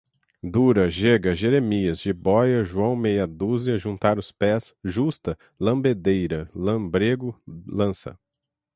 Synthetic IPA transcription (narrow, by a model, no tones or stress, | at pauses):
d̪uɾɐʒeɡɐʒeɾemiɐzʒɪbɔjɐʒuɐ̃w̃mejɐd̪uzɪɐʒũnt̪aɾʊspɛsʒust̪ɐ | lɐ̃mbed̪ejɾɐlɐ̃bɾeɡʊlɐ̃sɐ̰